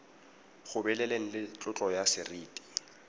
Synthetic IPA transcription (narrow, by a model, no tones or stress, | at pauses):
χʊbɛlɛleŋ̩lɪt͡ɬʼʊt͡ɬʼɔjasɪriːtʼi̥